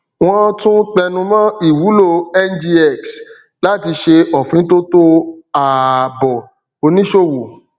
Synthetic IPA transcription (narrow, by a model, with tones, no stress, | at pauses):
w̃ɔ̃˦tũ˦k͡pɛ˧nũ˧mã˦i˦˨wu˨˦lo˦˧˨ɛ˦nd͡ʒi˧ɛ˦˨ks | la˦ti˧ʃe˧ɔ˨fĩ˨˦to˦to˦a˨bɔ˨ | o˧nĩ˦ʃo˦˨wo˨